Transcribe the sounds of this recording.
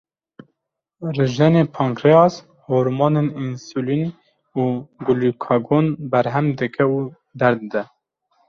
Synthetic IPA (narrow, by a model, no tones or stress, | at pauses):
rɨʒɛnepʰɑŋkɾeɑs | hoːɾmɑːneninsulin | uːɡulukʰɑɡonbɛɾɦɛmd̪ɨkʰɛu | d̪ɛɾd̪ɨd̪ɛ